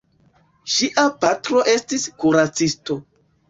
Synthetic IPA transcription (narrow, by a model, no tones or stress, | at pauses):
ʃiʔapatɾo̞ʔe̞stiskuɾat͡sisto̞